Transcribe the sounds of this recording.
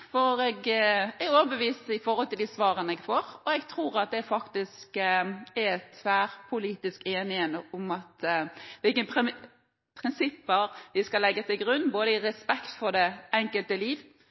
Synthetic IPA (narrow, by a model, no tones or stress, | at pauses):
fɔɾɛɡɛɾoːʋəbəʋiːsəɪfɔɾhɔlt̪ɪld̪isʋɑːɾənəɛɡfoːɾɔɛɡt̪ʰɾuːɾɑt̪̚d̪ɛfɑkt̪ɪskɛt̪ʰʋæːɾpʰʊliːt̪ɪskeːnɪhənəʊmɑt̪ʋɪlkənpʰɪ | pʰɾɪnsɪpːəɾʋɪskɑlɛɡːət̪ʰɪlɡɾʉnːboːd̪əɪɾɛspɛkt̪fɔɖ̪ɛɛŋkəlt̪əliːʋ